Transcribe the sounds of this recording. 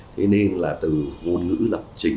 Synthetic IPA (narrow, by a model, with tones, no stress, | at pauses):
t̪ʰe˨˦ne˧nlaː˨˩t̪ɨ˨˩ŋo˧nŋɨ̰˧˥lə˨˩p̚t͡ɕï˨˧˩ŋ